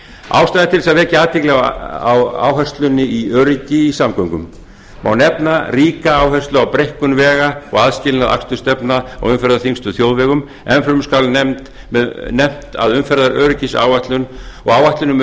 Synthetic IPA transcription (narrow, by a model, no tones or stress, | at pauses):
a̰ːwst̪ajðɪt̪ʰɪlsaðvɛːcɪaːðt̪ʰɪklɛɣaa̰wa̰ːwɦœst̪lʏnːɪiœːɾɪcɪisamkœŋkʏmː | awnɛpnariːkaaːwɦœst̪lʏawpɾejhkʏnvɛːɣaɔɣaðscɪːlɪnaða̰kst̪ʏst̪ɛpnaa̰ɣʏmfɛɾðaɾθiŋst̪ʏθjowðvɛɣʏm | ɛnfɾʏmskawlnɛm̥t̪ | mɛðnɛm̥t̪a̰ðʏmfɛɾðaɾœːɾɪcɪsa̰ːwvaht̪lʏnɔɣaːwaht̪lʏnʏm